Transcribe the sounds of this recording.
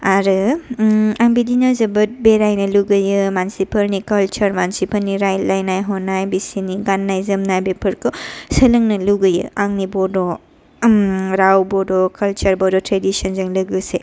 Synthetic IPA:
aɾɯ | aŋbidinɐzɐbɯt̚beɾajnɐluɡɯjɯmansipʰɐɾnikɐlt͡ʃɐɾmansipʰɐniɾajlajnajɦɔnːajbisiniɡanːajzɐmnajbepʰɐɾkɔsɐlɯŋnɐluɡɯjɯ̰aŋnibɔdɔ | ɾawbɔdɔkɐlt͡ʃɐɾbɔdɔtɾedisɔnzɐŋlɐɡɯse

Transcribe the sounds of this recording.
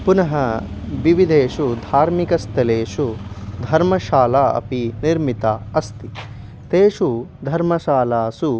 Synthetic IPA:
punɐɦɐ | ʋiʋid̪ʱeːʂud̪ʱaːɾmikɐst̪ʰɐleːʃud̪ʱɐɾmɐʃaːlaːɐ̰piniɾmit̪aɐst̪i | t̪eːʂud̪ʱɐɾmɐʃaːlaːsu

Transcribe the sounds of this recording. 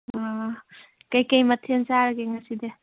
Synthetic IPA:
a | kɐjkɐjmɐtʰenzaɾɐɡeŋɐside

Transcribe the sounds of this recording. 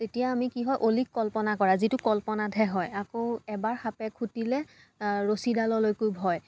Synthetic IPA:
tetijaːmikiɦɔjʔolikːɔlpɔnakɔɹazitʊkɔlpɔnadʱɛɦɔjakoɛbaɹxapɛkʰutilɛ | ɹosidalɔlojkojbʱɔj

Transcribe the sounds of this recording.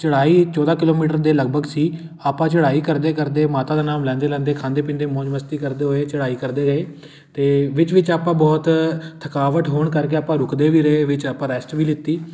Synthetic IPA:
t͡ʃəɽaːiːt͡ʃɔːd̪aːkɪloːmiːʈəɾd̪eːləɡ̚bʱəɡsiː | aːpãːt͡ʃəɽaːiːkəɾd̪eːkəɾd̪eːmaːt̪aːd̪aːnaːmlɛ̃ːnd̪eːlɛ̃ːnd̪eːkʰãːnd̪eːpɪ̃ːnd̪eːmɔ̃ːd͡ʒməst̪iːkəɾd̪eːɦoeːt͡ʃəɽaːiːkəɾd̪eːɾəeː | t̪eːʋɪt͡ʃʋɪt͡ʃaːpãːbɔːt̪t̪ʰəkaːʋəʈɦoːɳkəɾkeːaːpãːɾʊkd̪eːʋiːɾəeʋɪt͡ʃaːpãːɾɛːsʈʋiːlɪt̪ːiː

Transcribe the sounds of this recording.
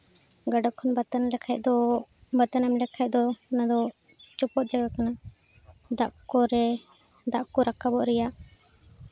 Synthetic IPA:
ɡaɖɔʔkʰːɔnbat̪anlɛkʰaj̚d̪ɔbat̪anamlɛkʰaj̚d̪ɔnad̪ɔt͡ʃɔpɔt̪̚d͡ʒaɡakana | d̪aʔkɔɾɛ | d̪aʔkɔɾakʰabɔʔɾɛjaʔ

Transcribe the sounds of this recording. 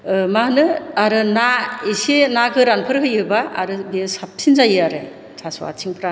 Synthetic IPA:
mahɯnɯaɾɯnaisenaɡʰɯɾanpʰɯɾɦɯjɯbaa̰ɾɯbiasap̚tʰinzajɯaɾɯj | tʰaswa̰tʰiŋpʰɾa

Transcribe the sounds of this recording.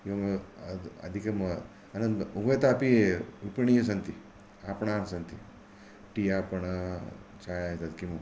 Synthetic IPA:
iɐm | ɐ̰d̪ʱikɐmɐ | ɐnɐnd̪ubʱɐjt̪aːpiupiɳijs̬ɐnt̪i | apɳaːnsɐnt̪i | ʈijapɐɳ | t͡ʃajat̪at̪kimu

